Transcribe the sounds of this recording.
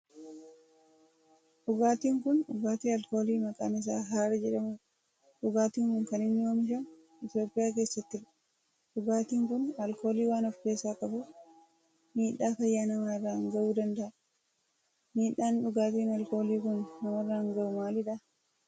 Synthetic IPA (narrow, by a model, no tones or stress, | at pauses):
ᶑʊɡaːt̪iːŋkʊnᶑʊɡaːt̪iːɐlko̞ːliːmɐkʼa̰ːnɪs̬aːɦaːɾɐd͡ʒɛᶑɐmʊ | ᶑʊɡaːt̪iːŋkʊŋkɐnɪnːɪoːmɪʃɐn | ɪt̪jo̞ːpʼːɪjaːk̬eːsːɐt̪ːɪrɐ̥ | ᶑʊɡaːt̪iːŋkʊnɐlko̞ːliːwaːnɔfke̞ːsːaːkʼɐbʊ | miːᶑːaːkɐjːaːnɐmnɐrːaɐŋɡɐʔuːd̪ɐnd̪ɐʔɐ | miːᶑaːnᶑʊɡaːt̪iːnɐlko̞ːliːkʊnːɐmɐrːaːhɐŋɡɐʔʊmaːlɪᶑɐ